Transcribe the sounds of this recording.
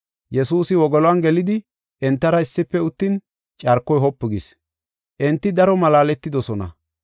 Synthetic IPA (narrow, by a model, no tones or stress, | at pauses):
jɛsuːsɪwɔɡɔlɔanɡɛlɪd̪ɪ | ʔɛnt̪ːɐɾɐɪsːɪpːɛʊt̪ːɪn | t͡ʃʼɐɾkːɔjɦɔpːɪɡis | ʔɛnt̪ːɪd̪ɐɾɔmɐlaːlɛt̪ːɪd̪ɔsɔnɐ̰